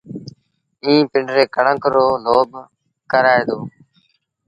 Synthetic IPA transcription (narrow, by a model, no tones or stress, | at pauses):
ĩːpɪɳɖɾeːkəɳə̃ŋkɾoːloːb | kəɾaːed̪oː